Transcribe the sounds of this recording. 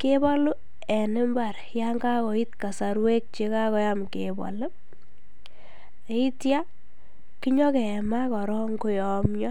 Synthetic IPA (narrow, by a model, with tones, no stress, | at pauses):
kebɔ˦lu˦ | ɛ˨nɪ˦mba˨ɾ | ja˦ŋɡa˦kɔ˨i˦tka˨sa˨ɾwe˦k̚t͡ʃe˧ka˦kɔ˧˦ja˦m˨ke˨ba̰˨lʊ˦˨ | i˦tja˦ | ki˦ɲɔ˦kɛ˨ɛ˨ma˦kɔ˨ɾɔ˦ŋko˦jɔ˨mɲɔ˦